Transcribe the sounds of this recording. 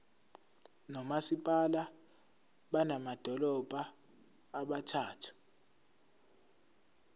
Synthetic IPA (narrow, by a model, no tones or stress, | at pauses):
nɔmasipʼala | ɓanamad̥ʱɔlɔb̥ʱaː | ɓatʰaːtʰu̥